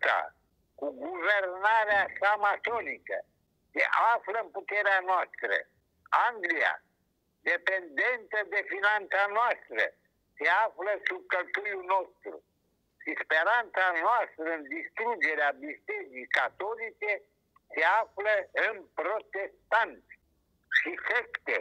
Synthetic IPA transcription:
a̰ | kuɡuvernaɾeasamat̪olikə̰ | sḛʔafləɨnput̪eɾeanoast̪ɾə̰ | aŋɡlija̰ | d̪epe̞nd̪ent̪əd̪e̞finant̪sanoast̪ɾə̰ | se̞afləsub̚kəlt̪ujunost̪ɾṵ | ʃispeɾant̪sanoast̪ɾəɨnd̪ist̪ɾud͡ʒeɾeabist̪ed͡ʒikat̪olit͡ʃe | seafləɨnpɾot̪est̪ant̪s | ʃisekt̪e

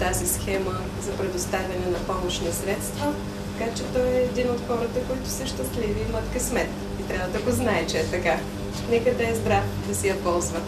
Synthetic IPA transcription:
t̪azisxɛmə | zɐpɾɛd̪ost̪avʲɐnɛnɐpɔmoʃnisɾɛt̪st̪vət̪ɐkat͡ʃɛt̪ɔɛːd̪inot̪xɔɾət̪əkoit̪ʊ̥səʃt̪əsliviːmət̪kəsmɛt̪k | it̪ɾʲavəd̪ɐɡoznaɛt͡ʃɛɛt̪ɐka | nɛkəd̪ɐɛzbɾaf | d̪ɐsɛjɐpɔlˠzvə

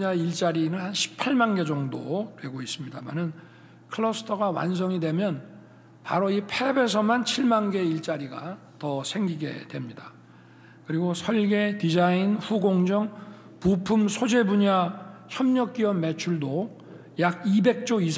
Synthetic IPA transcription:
aiɭt͡ɕ͈aɾinɯnhanɕʰi̥pʰaɭmanɡe̞d͡ʑʌŋdotwe̞ɡois͈ɯmɲidama̰nɯn | kʰɯɭʌsʰɯ̥tʰʌɡawa̰ns̬ʰʌŋidwe̞mjʌn | paɾoipʰebe̞s̬ʰʌmant͡ɕʰiɭmanɡe̞iɭt͡ɕ͈aɾiɡa̰ | tʌsʰe̞ŋɡiɡe̞̰dwe̞mɲida | kɯɾiɡosʰʌɭɡe̞tid͡ʑainɸuɡoŋd͡ʑʌŋ | pupʰumsʰod͡ʑe̞buɲaçjʌmɲʌk̚k͈iwʌnme̞t͡ɕʰuɭdo | jaɡ̚ibe̞k̚t͡ɕ͈oisʰ

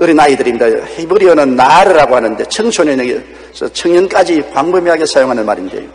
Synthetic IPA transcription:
ɯɾinaidɯɾimɲidajo̰hebɯɾionɯnːaɾɯɾaɡohanɯnde̞t͡ɕʰɯŋt͡ɕʰonenɯɡe | t͡ɕʌt͡ɕʰɯŋɲɯnk͈ad͡ʑipaŋbɯmiɦaɡesʰajoŋɦanɯnmaɾind̪ḛjo

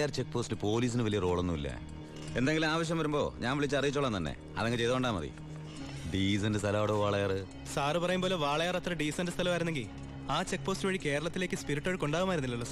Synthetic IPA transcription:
aːrt͡ɕe̞k̚ːpo̞ːstilɨpo̞ːliːs̬inɨʋɐlijɐro̞ːɭonːuḭlːɐ̰ | e̞nd̪eŋɡilumaːʋɐɕ̬jɐmʋɐɾumbo̞̰ːɲaːnʋiɭit͡ɕːɐrijit͡ɕːoɭːɐnt̪ɐnːḛ | ɐ̰ðeŋɡit͡ɕejt̪ouɳɖaːmɐ̰ðḭ | ɖiːs̬ɐndɨst̪ʰɐlɐːɽoːʋaːɭɐjaːrɨ | saːrɨpɐrɐjumboːleʋaːɭɐjaːrɐt̪rɐɖiːsɐndɨst̪ʰɐlɐmaːjɾunːeŋɡil | aːt͡ɕek̚ːpo̞ːstɨʋɐːɻike̞ːɾɐɭɐt̪ːile̞ːkʲːɨspiɾiʈːoɻko̞ɳɖaːʋumaːiɾunːilːɐlːɐ

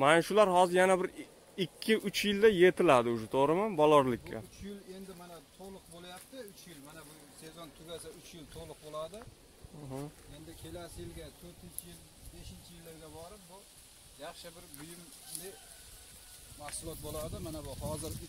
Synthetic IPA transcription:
manʃʊlaɾhɒzɪɾjanabɪɾ | ɪkʲʰːɪʔʊt͡ʃjɪld̪aje̞t̪ʰɪlad̪ɪʊʃat̪ʰoʁɾɪmanbɒlˠɒɾlɪkʲːa̰ʊt͡ʃjɪle̞nd̪ɪmanat̪ʰoʁlˠʊq̚bolˠajap̚t̪ɪʊt͡ʃʰjɪlmanabʊ | se̞zɔnt̪ʰʊɡʲasaʊt͡ʃjɪlt̪ʰolˠʊq̚bolˠad̪ɪ | ɦae̞nd̪ɪkʲʰe̞lasɪjɪlɡʲat̪ʰɵɾt̪ʰɪnt͡ʃʰɪjɪl | be̞ʃɪnt͡ʃʰɪjɪlːɪɾɡ̪ʲabɒɾɪp̚bʊ | jɑχʃɪbɪɾbʊjɪm | lɪ | mahsʊlˠɒt̪̚bolˠad̪ɪmanabʊhɒzɪɾ

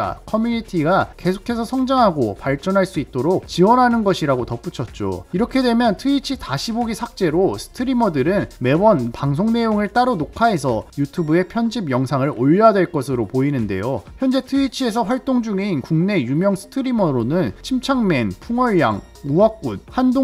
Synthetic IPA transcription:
a̰kʰʌmjunitʰiɡake̞sʰo̥kʰe̞sʰʌsʰʌŋd͡ʑaŋɦaɡopaɭt͡ɕ͈ʌnɦaɭs͈uit̚t͈oɾok̚t͡ɕiwʌnɦanɯnɡʌɕʰiɾaɡotʌp͈ut͡ɕʰʌt̚t͡ɕ͈o̰iɾʌkʰe̞dwe̞mjʌntʰɯit͡ɕʰitaɕʰiboɡisʰak̚t͡ɕ͈e̞ɾosʰɯ̥tʰɯɾimʌdɯɾɯnme̞wʌnpaŋs̬ʰoŋne̞joŋɯɭt͈aɾonokʰaɦe̞s̬ʰʌjutʰubue̞pʰjʌnd͡ʑibjʌŋsʰaŋɯɾoʎːadwe̞ɭk͈ʌsʰɯɾopoinɯnde̞̰joçjʌnd͡ʑe̞tʰɯit͡ɕʰie̞s̬ʰʌɸwaɭt͈oŋd͡ʑuŋeinkuŋne̞jumjʌŋsʰɯ̥tʰɯɾimʌɾonɯnt͡ɕʰimt͡ɕʰaŋme̞npʰuŋʌɭja̰ŋ | uak̚k͈unhando

